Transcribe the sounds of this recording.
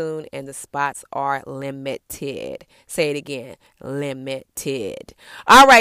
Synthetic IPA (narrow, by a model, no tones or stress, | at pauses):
ũnɨ̰̃nðɨspɑtsʔə˞lɪ̃mɨtʰɪ̰d̥ | seɪɨɾɨɡɛ̃n | lɪ̃mɨtʰɪd̥ʔɔlˠɹaɪ